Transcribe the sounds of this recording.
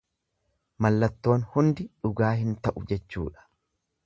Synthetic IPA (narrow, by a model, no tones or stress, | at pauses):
mɐlːɐt̪ːo̞ːnhʊnd̪ɪᶑʊɡaːhɪnt̪ɐʔʊd͡ʒɛt͡ʃːṵːᶑɐ̥